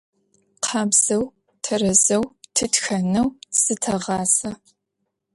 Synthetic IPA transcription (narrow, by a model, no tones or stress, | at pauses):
qʰɑːbz̥ɐw | tʰɐrɐzɐwtʰɨtxɐnɐwsɨtʰɐʁɑːsɐ